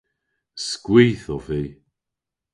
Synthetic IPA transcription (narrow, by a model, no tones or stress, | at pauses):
skwiːθɔviː